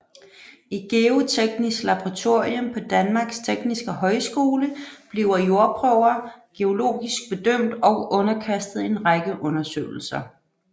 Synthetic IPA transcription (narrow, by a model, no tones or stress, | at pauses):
iɡ̥e̝o̝t͡sʰeɡ̥nisɡ̥lɑ̈b̥oʁɑ̈t͡sʰo̝ɐ̰iɔ̽mpʰɒ̽d̥ænmɑ̈ɡ̥st͡sʰeɡ̥nisɡ̥əɦɒ̽ɪsɡ̥o̝ːləb̥liʊɐjo̝ɐb̥ʰʁœʊ̰ɐɡ̥e̝o̝lo̝̰ːɡ̥isɡ̥̚b̥e̝d̥øm̰d̥ɒ̽ʊʔɔ̽nɐkʰæsd̥ð̩ˠe̝nʁɑɡ̥əʔɔ̽nɐsø̰ːl̩sɐ